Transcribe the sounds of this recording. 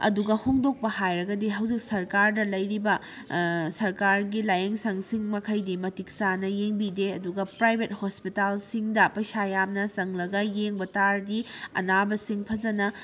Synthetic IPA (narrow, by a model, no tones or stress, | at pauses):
ɐ̰duɡɐhoŋdok̚pɐhajɾɐɡɐdiɦɐwzik̚sɐɾkaɾdɐlɐjɾibɐ | sɐɾkaɾɡilajɐŋsɐŋsiŋmɐkʰɐjdimɐtik̚sanɐjeŋbideɐduɡɐpɾajbʱet̚hospitalsiŋdɐpɐjsajamnɐsɐŋlɐɡɐjeŋbɐtaɾdiɐ̰nabɐsiŋpʰɐzɐnɐ